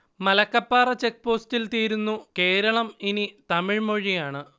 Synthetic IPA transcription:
mɐlɐkːɐpːaːrɐt͡ɕek̚ːpo̞ːstilt̪iːɾunːuke̞ːɾɐɭɐminit̪ɐmiɻmo̞ɻijaːɳɨ

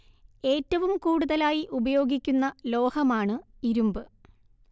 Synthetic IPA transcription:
e̞ːtːɐʋumkuːɽuðɐlaːjiʔubɐjo̞ːɡikʲːunːɐlo̞ːhɐmaːɳɨiɾumbɨ

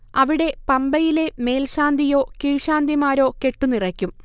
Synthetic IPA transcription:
ɐʋiɽe̞pɐmbɐjile̞me̞ːlɕaːnd̪ʱijo̞ːkiɻɕaːnd̪imaːɾo̞ːke̞ʈːunirɐkʲːum

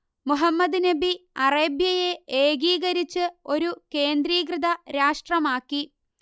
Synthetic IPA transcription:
muɦɐmːɐd̪nɐbiɐreːbjɐje̞eːɡiːɣɐɾit͡ɕːɨo̞ɾuke̞ːnd̪ɾiːkrɨd̪ɐɾaːʂʈrɐmaːkːi

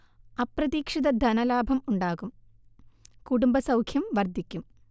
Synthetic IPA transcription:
ɐprɐðiːkʂid̪ɐd̪ʱɐnɐlaːbʱɐmuɳɖaːɣum | kuɽumbɐsɐwkʰjɐmʋɐrd̪ʱikʲːum

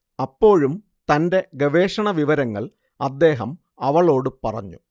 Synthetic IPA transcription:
ɐpːo̞ːɻum | t̪ɐnde̞ɡɐʋe̞ːʂɐɳɐʋiʋɐɾɐŋːɐ̰ɭ | ɐd̪ːe̞ːɦɐm | ɐʋɐɭo̞ːɽɨpɐrɐ̰ɲːṵ

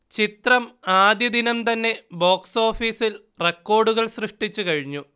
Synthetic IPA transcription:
t͡ɕit̪rɐmaːd̪jɐd̪inɐmt̪ɐnːe̞bo̞ːkso̞ːfiːsil | rekːo̞ːɖuɣɐɭsrɨʂʈit͡ɕːukɐɻiɲːu

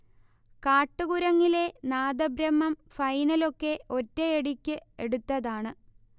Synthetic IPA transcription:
kaːʈːɨɣuɾɐŋːile̞naːd̪ɐbɾɐmːɐmfɐjnɐlo̞kːe̞o̞tːeeɽikʲːɨeɽut̪ːɐðaːɳɨ

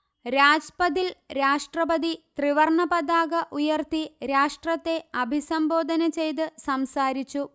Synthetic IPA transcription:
ɾaːd͡ʑpɐd̪ilɾaːʂʈrɐbɐd̪it̪riʋɐrɳɐpɐd̪aːɡɐʔujɐrt̪iɾaːʂʈrɐt̪ːe̞ɐbʱisɐmbo̞ːd̪ʱɐnɐt͡ɕe̞jt̪̬ɨsɐmsaːɾit͡ɕːu

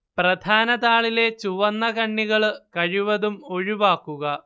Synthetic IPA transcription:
prɐd̪ʱaːnɐðaːɭile̞t͡ɕuʋɐnːɐɣɐɳːiɣɐɭkɐɻiʋɐðumo̞ɻiʋaːkːuɣɐ

